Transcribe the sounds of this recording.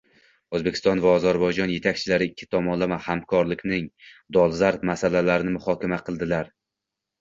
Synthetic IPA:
ɵzbe̞kʲʰɪ̥st̪ɒnvaɒzaɾbɒjd͡ʒɒnje̞t̪ʰak̚ʲt͡ʃʰɪlaɾɪɪkʲʰːɪ̥t̪ʰɒmɒnlamahamkʰɒɾlɪkʲnɪŋd̪ɒlˠzaɾt̪masalalaɾɪnɪmʊhɒkʲʰamaqʰɨlˠd̪ɪlaɾ

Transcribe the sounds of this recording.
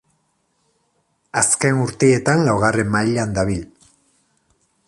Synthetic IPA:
aske̞nuɾt̪ee̞t̪anlawɣare̞mmːaʎand̪aβil

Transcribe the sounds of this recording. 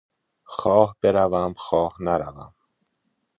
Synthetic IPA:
xɒːhb̥e̞ɾævæmxɒːhnæɾævæ̰m

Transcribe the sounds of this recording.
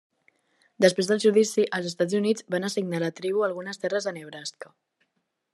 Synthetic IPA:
d̪əspɾezðəlˠʒuðisiʔəlˠzəst̪ad͡zunid͡zβanəsiɡnalət̪ɾiβ̞uəlˠɣunəst̪ɛrəzðəneβɾaskə

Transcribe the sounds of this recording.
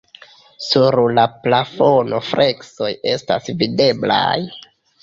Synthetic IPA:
suɾlaplafo̞no̞fɾʔe̞kso̞je̞sta̰svide̞bla̰j

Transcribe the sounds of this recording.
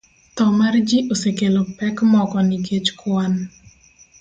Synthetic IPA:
t̪ɔmard͡ʒiʔosekelopɛkmɔkɔniɡet͡ʃkwan

